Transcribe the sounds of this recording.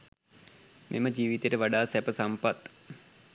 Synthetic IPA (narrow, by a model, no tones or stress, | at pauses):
mʔḛməd͡ʒiːʋit̪eʈəʋaɖaːsɛpəsampat̪